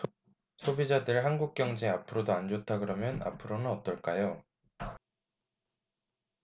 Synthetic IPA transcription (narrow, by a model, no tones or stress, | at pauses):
sʰobid͡ʑadɯɭhanɡuk̚k͈jʌŋd͡ʑeapʰɯɾodoand͡ʑotʰaɡɯɾʌmjʌna̰pʰɯɾonɯnʌt͈ʌɭk͈ajo